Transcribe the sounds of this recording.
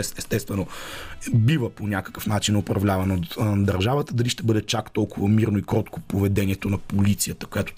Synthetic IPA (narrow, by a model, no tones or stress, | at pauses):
ɛsɛst̪ɛst̪vɛno | bivəponʲakə̥kəfnat͡ʃinopɾɐvlʲavɐnot̪d̪ɐɾʒavət̪əd̪ɐliʃt̪ɛbɤd̪ɛt͡ʃakt̪ɔlˠkʊvɐmiɾnoikɾɔt̪ko̥povɛd̪ɛnʲiɛt̪onɐpolit̪sijət̪ə̥kojat̪o̥t̪